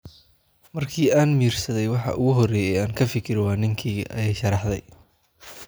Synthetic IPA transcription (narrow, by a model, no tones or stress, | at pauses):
mɐrkʰiːaːnmiːrsɐðɛjwɑħɑ̰ʔʊɣʊɦɔrɛːjɛːaːŋkʰɐfɪkʰɪɾɪwɑːnɪŋkʰiːʔɐ̰jɛjʃɑɾɑħd̪ɛj